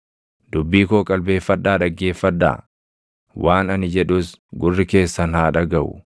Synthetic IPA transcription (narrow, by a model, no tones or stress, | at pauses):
d̪̥ʊbːiːkoːkʼɐlbe̞ːfːɐᶑ̪ːaːᶑɐɡːe̞ːfːɐᶑːa̰ː | wʔaːnɐnɪd͡ʒɛᶑʊsɡʊrːɪke̞ːsːɐnhaːᶑɐɡɐʔʊ̰